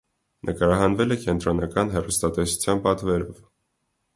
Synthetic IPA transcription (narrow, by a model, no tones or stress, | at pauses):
nʔəkɑɾɑɦɑnvɛlɛkɛnt̪ɾɔnɑkɑnɦɛrust̪ɑt̪ɛsu̥t͡sʰjɑnpɑt̪vɛɾɔv